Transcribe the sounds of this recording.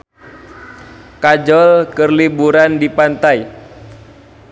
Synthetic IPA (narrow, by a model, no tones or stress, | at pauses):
kad͡ʒɔlkərlibuɾandipant̪aj